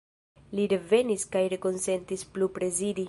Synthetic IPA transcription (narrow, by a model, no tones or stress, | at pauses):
liɾe̞ve̞niskajɾe̞ko̞nse̞ntisplupɾe̞zidi